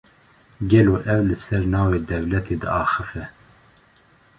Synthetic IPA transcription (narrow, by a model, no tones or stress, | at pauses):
ɡɛloːʔɛwlɨsɛɾnɑːveːd̪ɛwlɛt̪ʰeːd̪ɨ̰ɑːxɨfɛ